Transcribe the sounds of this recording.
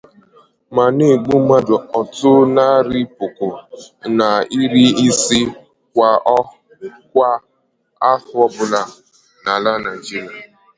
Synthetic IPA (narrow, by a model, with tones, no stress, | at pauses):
ma˨ne˦˨ɡ͡bu˦ma˦dʊ˨ɔ˨tʊ˦na˦ɾi˦pʊ˨kʊ˨na˨i˦ɾi˦i˦si˦ | kʷa˨˦ | kʷa˦ | a˦hʊ˦ɔ˦bʊ˦la˦ | na˨la˦na˨d͡ʒi˦ɾi˨a˨